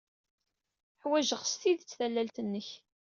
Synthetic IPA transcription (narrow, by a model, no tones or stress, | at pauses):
ħwæʒəʁst̪iðt͡sːθælːælt̪ənːəç